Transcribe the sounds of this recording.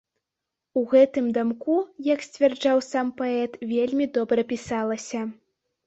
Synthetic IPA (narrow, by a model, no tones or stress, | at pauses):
uɣɛt̪ɨmd̪amkujɐksʲt͡sʲvʲɛrd͡ʐawsampaɛt̪vʲelʲmʲid̪ɔbɾɐpʲisalˠɐsʲɐ